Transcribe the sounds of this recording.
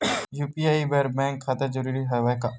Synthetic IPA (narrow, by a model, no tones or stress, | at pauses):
juːpiaːibɛɾbɛ̃ːŋkʰːaːt̪ed͡ʒəɾuːɾiɦɐʋajka